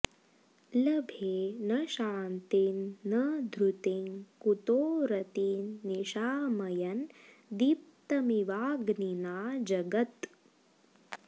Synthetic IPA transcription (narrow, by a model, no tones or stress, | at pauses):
lɐbʱeːnɐʃaːnt̪inːɐd̪ʱɾut̪iŋkut̪oːɾɐt̪iːnːiʃaːmɐjɐn | d̪ip̚t̪ɐmiʋaːɡninaːd͡ʒɐɡɐt̪